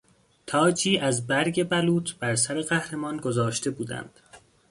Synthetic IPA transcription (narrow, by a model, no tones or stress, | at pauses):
t̪ʰɒːd͡ʒiːʔæzbæɾɟe̞bæluːt̪ʰb̥æɾsæɾe̞ɣæhɾe̞mɒːnɡozɒːʃt̪e̞buːd̪æ̰nd̪̥